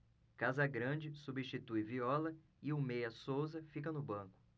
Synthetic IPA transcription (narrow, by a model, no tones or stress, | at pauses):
kazɐɡɾɐ̃d͡ʒɪsubiʃt͡ʃit̪ujviɔlɐ | ɪʊmejɐsowzɐfik̬ɐnʊbɐ̃kʊ̥